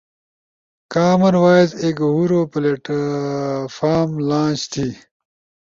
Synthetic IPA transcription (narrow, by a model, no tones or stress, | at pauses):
kaːmɐɾwaːizeːkɦuɾoːpɐleʈ | faːmlãːt͡ɕt̪ʰi